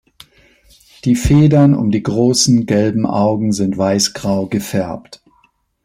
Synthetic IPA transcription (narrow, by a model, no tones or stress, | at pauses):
d̥iːfeːdɐnʊ̰mdiːɡʁoːsn̩ɡɛlbm̩ʔa̰ʊɡŋ̩zɪntv̥aɪsɡ̥ʁaʊɡəfɛɐpt